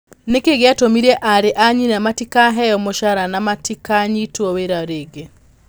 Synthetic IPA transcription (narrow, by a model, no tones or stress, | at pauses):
nekeɡeatomiɾɛʔaɾeʔaɲinamatikaɦɛjɔmoʃaɾanamatikaɲitwɔweɾaɾeːɡe